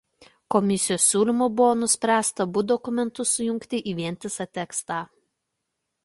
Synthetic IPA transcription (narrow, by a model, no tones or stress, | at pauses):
kɔmʲɪsʲɪjoːsːʲuːlʲɪmʊbʊʋoːnʊsʲpʲɾʲæːst̪ɐbʊd̪ɔkʊmʲɛnt̪ʊsʊjʊŋʲkt̪ʲɪʔiːʋʲiɛnʲt̪ʲɪsɐt̪ʲɛkst̪ɑː